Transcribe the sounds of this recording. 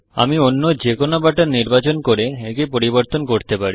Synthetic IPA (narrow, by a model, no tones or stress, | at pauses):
a̰mionːod͡ʑekonobaʈaɾniɾbat͡ɕonkoɾeekipoɾiboɾt̪onkoɾt̪epaɾi